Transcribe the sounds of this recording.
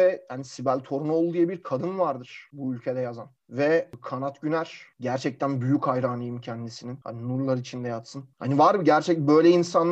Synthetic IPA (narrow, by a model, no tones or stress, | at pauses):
ɛjanisibælʲt̪ʰo̞ɾunuolˠud̪ijabiɾkʰad̪ɯnvaɾd̪ɯɾ̥buylʲcʰed̪ɛjazan | vɛkʰanat̪ɟynæɾ̥ɟæɾt͡ʃʰɛc̚t̪ʰænbyjychajɾaːnˠɯjɯmcʰɛnd̪isininha̰ninuɾlˠaɾɯit͡ʃʰind̪ɛjat̪sɯnha̰nivaɾmɯɟæɾt͡ʃʰɛcbø̞jlʲɛinsanː